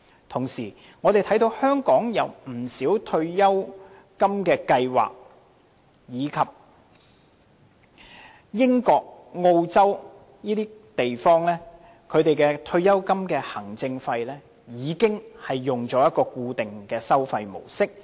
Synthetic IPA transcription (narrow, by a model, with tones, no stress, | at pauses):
t̪ʰʊ˨˩ŋsiː˨˩ | ŋɔ˨˧ɾe˨jt̪ʰjt̪o˧whœː˥ŋkɔː˨˥ŋjɐ˨˧wm̩˨˩siː˨˥wt̪ʰɵ˧ɥjɐ˥w | kɐ˥mkɛː˧kɐ˧jwa̰ː˨k̚ | jiː˨˧kʰɐ˨p̚ | jɪ˥ŋkɔː˧k̚ŋo˧wt͡sɐ˥w | niː˥t̪iː˥t̪e˨jfɔː˥ŋlɛː˥ | kʰɵ˨˧ɥt̪e˨jkɛː˧t̪ʰɵ˧ɥjɐ˥wkɐ˥mkɛː˧hɐ˨˩ŋt͡sɪ˧ŋfɐ˧jlɛː˥ | jiː˨˧kɪ˥ŋhɐ˨jːʊ˨˩ŋt͡sɔː˨˥jɐ˥t̚kːɔː˧kuː˧t̪ɪ˨ŋkɛː˧sɐ˥wfɐ˧jmo̰˨˩wsɪ˥k̚